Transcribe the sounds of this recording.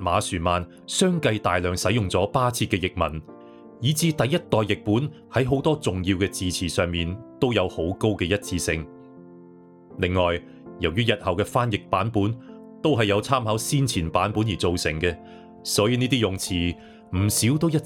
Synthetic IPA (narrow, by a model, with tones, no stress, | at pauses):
maː˨˥syː˨˩maː˨n | sœː˥ŋkɐ˧jt̪aː˨jlœː˨ŋsɐ˨˥jʊ˨ŋt͡sɔː˨˥paː˥t͡sʰiː˧t̚kɛː˧jɪ˨k̚mɐ̰˨˩n | jiː˨˥t͡siː˧t̪ɐ˨jɐ˥t̚t̪ɔː˨jːɪ˨k̚puː˨˥n | hɐ˨˥jɦo˨˥wt̪ɔː˥t͡sʊ˨ŋjiː˧wkɛː˧t͡siː˨t͡sʰiː˨˩sœː˨ŋmiː˨nt̪o˥wjɐ˨˧who˨˥wko˥wkɛː˧jɐ˥t̚t͡siː˧sɪ˧ŋ | lɪ˨ŋːɔː˨j | jɐ˨˩wjyː˥jɐ˨t̚hɐ˨wkɛː˧faː˥njɪ˨k̚paː˨˥npuː˨˥n | t̪o˥wɦɐ˨jɐ˨˧wt͡sʰaː˥mɦɐ˨˥wsiː˥nt͡sʰiː˨˩npaː˨˥npuː˨˥njiː˨˩t͡so˨wsɪ̰˨˩ŋkɛː˧ | sɔː˨˥jiː˧niː˥t̪iː˥jʊ˨ŋt͡sʰiː˨˩ | m̩˨˩siː˨˥wt̪o˥wjɐ˥